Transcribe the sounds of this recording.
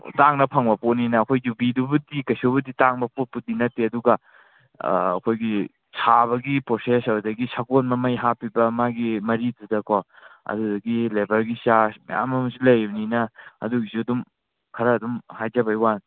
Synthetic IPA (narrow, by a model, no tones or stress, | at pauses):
taŋnɐpʰaŋbɐpotninɐːkʰojd͡ʒubidubɐdikɐjsobɐditaŋbɐpot̚put̚dinɐtːeɐduɡɐ | kʰojɡi | sʰaβɐɡipɾosesɐbudɐɡisaɡonmɐmɐjɦapibɐmaɡimɐɾidudɐkʰɔ | ɐ̰dudɐɡilebɐɾɡisama̰ja̰mɐmɐsilɐjninɐɐ̰duɡisuɐdum | kʰɐɾɐːdumhajd͡ʒɐbɐjwan